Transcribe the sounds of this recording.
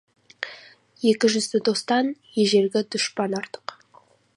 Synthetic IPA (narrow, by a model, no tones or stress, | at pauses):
je̞kʲɪʒʏzɪd̪o̞st̪ɑnjeʒe̞ɾɡʲɪd̪ʊʃpɑnɑɾt̪ə̥q